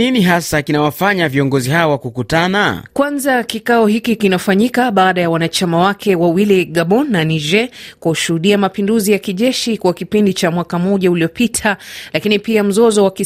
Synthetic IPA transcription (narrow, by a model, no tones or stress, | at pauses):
iniɦasakinawafaɲaviɔŋɡɔzihaɔwakukutana̰kwanzakikaɔhikikinafaɲikaɓaːɗajawanat͡ʃamawakʰɛwawiliɠaɓɔnːaniʒɛkwahuʃuhuɗiamapinduzijakiʄɛʃikwakipindit͡ʃamwakamɔʄauliɔpitʰalakinipiam̩zɔzɔwaki